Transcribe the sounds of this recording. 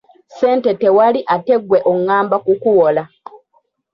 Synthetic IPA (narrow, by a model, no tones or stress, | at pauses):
se̞ːnte̞te̞waliʔate̞ɡweʔoŋːaːmbakukuwola